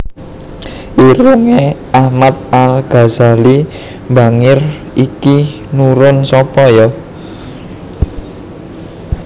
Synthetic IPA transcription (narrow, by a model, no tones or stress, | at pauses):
ʔiɾuŋe | ahmat̪̚alɡ̥a̤zali | mbaŋɪr | iki | nuɾʊnsɔpɔjɔ